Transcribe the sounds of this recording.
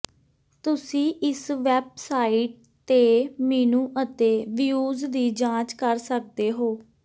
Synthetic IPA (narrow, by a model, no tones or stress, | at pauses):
t̪ʊsĩːʔɪsʋɛːb̚saːiʈ̚ | t̪eːmɛːnũːʔət̪eːʋɪjuːzd̪iːd͡ʒãːt͡ʃkəɾsək̚d̪eːɦoː